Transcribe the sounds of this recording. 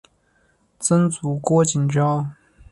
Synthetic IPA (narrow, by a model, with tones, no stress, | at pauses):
t͡sə˥nt͡su˧˥kwɔ˥t͡ɕi˨˩nʈ͡ʂɑ˥ʊ